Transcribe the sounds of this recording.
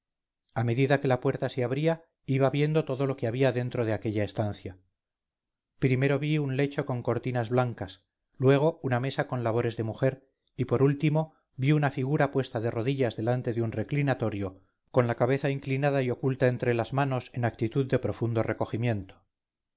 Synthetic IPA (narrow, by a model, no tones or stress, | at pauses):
ame̞ðiðake̞lapwe̞ɾt̪aseaβɾia | iβaβje̞nd̪o̞t̪o̞ðo̞lokeaβiaðe̞nt̪ɾo̞ð̞eake̞ʎaest̪anθja | pɾime̞ɾo̞βiunle̞t͡ʃo̞ko̞ŋko̞ɾt̪inazβlaŋkas | lwe̞ɣ̞o̞uname̞sako̞nlaβo̞ɾe̞zðe̞muxe̞ɾ | ipo̞ɾult̪imo̞ | biunafiɣ̞uɾapwe̞st̪aðe̞ro̞ðiʎazðe̞lant̪e̞ðeunre̞klinat̪o̞ɾjo̞ | ko̞nlakaβe̞θaiŋklinaðaio̞kult̪ae̞nt̪ɾe̞lazmano̞se̞nak̚t̪it̪uðːe̞pɾo̞fund̪o̞re̞ko̞ximje̞nt̪o̥